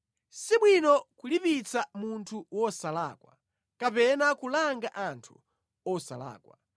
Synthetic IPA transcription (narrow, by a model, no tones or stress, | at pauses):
siɓwinɔkulipit͡samuntʰuwɔsala̰ːkwa | kapɛnakulaŋɡaʔantʰu̥̰ | ɔsa̰la̰ːkwa̰